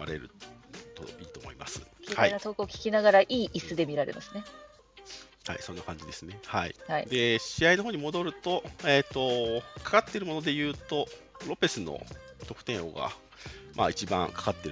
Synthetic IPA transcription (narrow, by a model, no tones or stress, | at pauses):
a̰ɾe̞̰ɾɯ̟̰t̪o̰iːt̪o̞ːmoima̰sɨ̥kʲːhainat̪o̞ːkɯ̟okʲi̥kʲinaɡaɾaʔiːʔisɨd̪e̞mʲiɾaɾe̞̰masɨne̞ | ha̰isõ̞nːakãɲ̟d͡ʑid̪e̞sɨne̞haḭhid̪e̞ɕiaino̞ɦoːɲ̟imo̞d̪o̞ɾɯ̟t̪o̞eːt̪ːo̞kḁkat̪ːe̞ɾɯ̟mo̞no̞d̪e̞jɯ̟ːt̪o̞ | ɾo̞pe̞sɨno̞̰t̪o̞kɯ̟̥t̪ẽ̞ɰ̃o̞̰ɡa̰ | ma̰it͡ɕibã̰ŋkḁkat̪ːe̞ɾ